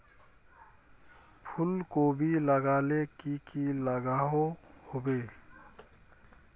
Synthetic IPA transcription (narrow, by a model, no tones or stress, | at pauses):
pʰʊlkobʱiləɡaːlekikiləɡaːɦohobeː